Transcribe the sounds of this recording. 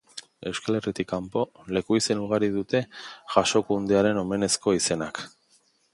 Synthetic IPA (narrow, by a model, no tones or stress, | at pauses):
e̞wskale̞rit̪ikːampo̞le̞kuise̞nuɣ̞aɾiðut̪e̞ʝaʃo̞kund̪eaɾe̞no̞me̞ne̞sko̞ise̞nak